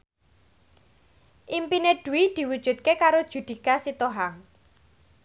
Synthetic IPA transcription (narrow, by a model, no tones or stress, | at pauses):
ʔimpineɖ̪̥ṳwid̪̥i̤wud̥ʒ̥ṳt̪̚kekaɾod̥ʒ̥ṳd̪̥i̤kasit̪oɦaŋ